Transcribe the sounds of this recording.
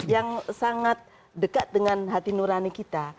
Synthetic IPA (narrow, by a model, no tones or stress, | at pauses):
jaŋsaŋat̪̚ | dəkat̪̚dəŋanɦat̪inuɾanikit̪a